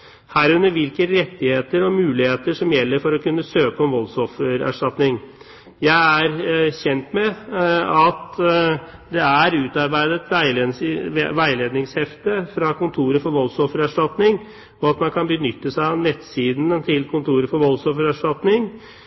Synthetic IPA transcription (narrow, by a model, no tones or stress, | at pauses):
hæːɾʉnːəɾʋɪlkəɾɛt̪ːɪheːt̪əɾɔmʉːlɪheːt̪əʂɔmjɛlːəɾfɔɾɔkʉnːəsøːkəɔmʋɔlsɔfəɾæ̰ʂʈɑt̪nɪŋ | jæɪæɾçɛnt̪mɛ | ɑt̪ | d̪ɛæɾʉːt̪ɑɾbæɪd̪ət̪ʰʋæɪ | ʋæɪleːd̪nɪŋshɛft̪əfɾɑkʊnt̪ʰuːɾəfɔɾʋɔlsɔfəɾæʂʈɑt̪nɪŋ | ɔɑt̪mɑnkʰɑnbənʏt̪ːəsæɪɑʋnɛt̪siːd̪n̩ət̪ʰɪlkʰʊnt̪ʰuːɾəfɔɾʋɔlsɔfəɾæʂʈɑt̪nɪŋ